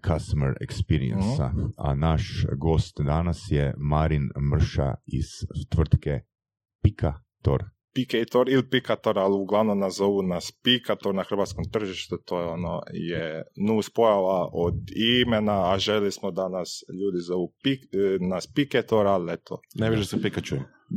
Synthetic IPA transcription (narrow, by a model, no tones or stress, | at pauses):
kʰast̪omeɾḛkspiɾḭḛnsa̰a̰naʃɡost̪d̪anasjemaɾinmr̩ʃa̰iz̥t̪ʋr̩t̪ke | pikʰa | t̪o̰ɾ | piket̪oɾilpikat̪oɾaluɡlˠaʋnomnazzoʋunaspikat̪oɾnaxr̩ʋaːt̪skomt̪r̩ʒiʃt̪ut̪ojɛono̰jenuːspojaʋaʔod̪imenaːʒelismod̪anasʎuːd̪izoʋupiknaspiket̪oɾalet̪ʰo̰neʋiʒasapikat͡ʃujim